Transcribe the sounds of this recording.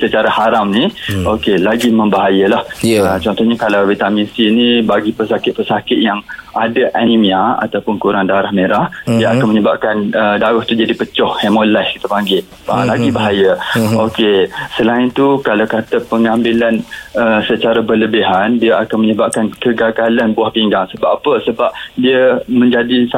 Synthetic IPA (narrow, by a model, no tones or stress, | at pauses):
sət͡ʃaɾahaɾamniokelaɡiməmbaɦajəlahət͡ʃɔnt̪ɔhɲakalawvit̪amĩsinibaɡipərsakɪt̪̚pərsakɪt̪̚jaŋadaʔanimĩaa̰t̪awpʊnkuɾaŋdaɾahmeɾahdiəakanməɲəba̰p̚kanədaɣʊht̪ud͡ʒadipət͡ʃɔhhemolaskit̪əpaŋɡɪʔ | a̰laɡibaɦajəokesəlaɪnt̪ukalawkat̪əpəŋambilanəsət͡ʃaɾabələbiɦandiəakanməɲəbap̚kankəɡaɡalanbuahpiŋɡaŋsəbaʔapəsəbap̚diəmə̃ɲd͡ʒadis